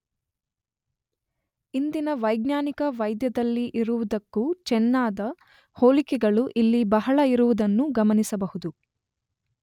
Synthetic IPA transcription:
ind̪inɐʋɐjɡnaːnikɐʋɐjd̪jɐd̪ɐlːiʔiɾuʋud̪ɐkːut͡ʃɛnːaːd̪ɐ | hoːlikɛɡɐɭuʔilːibɐɦɐɭɐiɾuʋud̪ɐnːuɡɐmɐnisɐbɐhud̪u

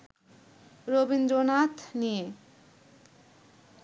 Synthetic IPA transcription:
robind̪ɾonat̪ʰnie

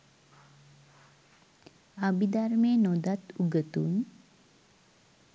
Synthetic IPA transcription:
abid̪aɾmeːnod̪at̪uɡət̪um

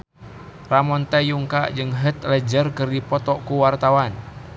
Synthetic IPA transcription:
ramɔnt̪ɛjuŋkad͡ʒɨŋɦət̪lɛd͡ʒərkɨrdipɔt̪ɔkuwart̪awan

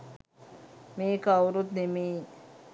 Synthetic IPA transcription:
meːkawɾut̪neme

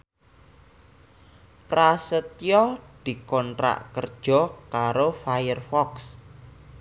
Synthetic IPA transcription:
prasət̪jɔd̪̥i̤kɔntɾa̰ʔkərd̥ʒ̥ɔ̤kaɾofajərfɔks

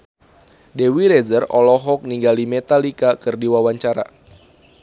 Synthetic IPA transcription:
dewiɾezərɔlɔɦɔk̚niŋɡalimet̪alikakɨrdiwawaɲt͡ʃaɾa̰

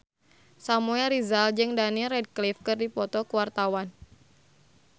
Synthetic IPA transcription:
samuɛlɾizald͡ʒɨŋdanirɛd̚klifkɨrdipɔt̪ɔkuwart̪awan

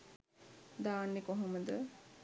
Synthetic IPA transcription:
d̪aːnːekoɦoməd̪ə

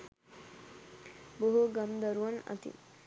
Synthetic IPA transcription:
boɦuɡɐmd̪ɐɾuʋɐnɐ̰t̪ḭ

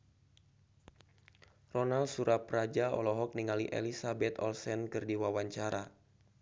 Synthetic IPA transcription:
rɔnalsuɾaprad͡ʒaɔ̰lɔɦɔk̚niŋaliʔḛlisabɛt̪ɔ̰lsɛnkɨrdiwawaɲt͡ʃaɾa

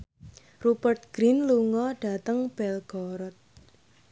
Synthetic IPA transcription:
rubərt̪̚ɡ̥ɾinluŋɔɖ̥a̤t̪əŋb̥ɛlɡ̥ɔɾɔt̪̚

